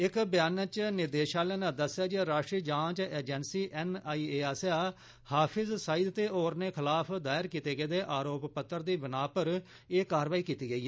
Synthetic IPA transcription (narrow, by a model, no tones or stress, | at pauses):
ɪkbɪjaːnət͡ʃnɪɾd̪eːʃaːlɛːnãːd̪əsjaːd͡ʒiɾaːʃʈɾiːd͡ʒãːt͡ʃeːd͡ʒɛnsiːʔɛːnaːiːeːaːsjaː | haːpʰɪzsaːid̪t̪eːoːɾneːkʰɪlaːpʰd̪aːjɪɾkiːt̪eːɡəeːd̪eːʔaːɾoːppət̪ːəɾd̪iːbɪnaːpəɾ | eːkaːɾʋaːiːkiːt̪iːɡəiːɛ